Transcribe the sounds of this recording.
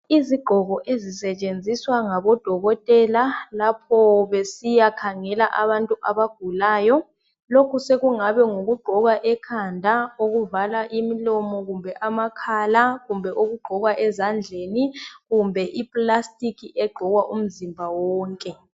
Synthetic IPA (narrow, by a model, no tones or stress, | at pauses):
iziɡ͡ǃʱɔɣɔʔezisɛt͡ʃʼend͡zʱiswaŋaβɔd̥ʱɔɣɔtʼɛlalapʰɔβesijakʰaŋɛlaʔaβantʼuʔaβaɡ̥ʱulaːjɔ | lokʰuseɣuŋaβɛŋoɣuɡ͡ǃʱɔɣaʔɛkʰandʱaoɣuvalaʔimilɔmɔɣumbʱɛʔamakʰalaɣumbʱɛʔoɣuɡ͡ǃʱɔɣwaʔɛzand͡ɮʱeːniɣumbʱɛʔipʼlastʼikʰiʔɛɡ͡ǃʱɔɣwaʔum̩zimbʱawɔːŋkʼɛ